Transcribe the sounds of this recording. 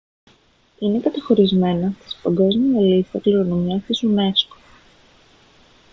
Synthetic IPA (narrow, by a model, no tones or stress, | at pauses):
ine̞kɐt̪ɐxo̞ɾizme̞nɐst̪i̥spɐŋɡo̞zmiɐlist̪ɐkliɾo̞nomiɐst̪izune̞sko̥